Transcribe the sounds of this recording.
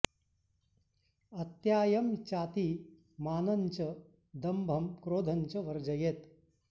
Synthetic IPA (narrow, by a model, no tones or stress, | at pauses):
ɐt̪jaːjɐmt͡ʃaːt̪iː | maːnɐɲt͡ʃɐ | d̪ɐmbʱɐmkɾoːd̪ʱɐɲt͡ʃɐʋɐɾd͡ʒɐjet̪